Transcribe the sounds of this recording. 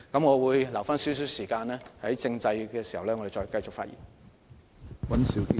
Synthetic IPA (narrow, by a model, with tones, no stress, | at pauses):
kɐ˨˥mŋɔː˨˧wuː˨˧jlɐ˨˩wfaː˥nsiː˨˥ws̬yː˨˥wsiː˨˩kaː˧nlɛː˥hɐ˨˥jt͡sɪ˧ŋt͡sɐ˧jkɛː˧si˨˩hɐ˨˩wlɛː˥ɔː˨˧e˨jt͡ʃɔː˧jkɐ˧jt͡sʊ˨k̚faː˧t̚jʔḭ˨˩n | wɐ˨˥nsi˨˥wk